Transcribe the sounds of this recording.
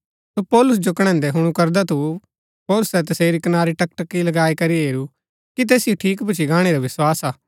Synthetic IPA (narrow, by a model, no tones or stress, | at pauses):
sopɔːlʊs̬d͡ʒokɽ̃ɛ̃ːnd̪ɛɦʊɽ̃ukɐɾd̪at̪u | pɔːlʊsɛt̪ɐseːɾikɐnaːɾiʈɐkʈɐkːilɐɡaːikɐɾiɦeːɾu | kit̪̬eːsɪjoʈʰiːkbʊt͡ʃʰiɡaːɽ̃eɾaʋɪswaːsaː